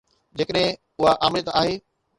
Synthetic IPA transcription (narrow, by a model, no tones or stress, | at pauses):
d͡ʑeːkəɗɦɪ̃ | ʊɦaʔaːmɾɪjət̪aːɦeː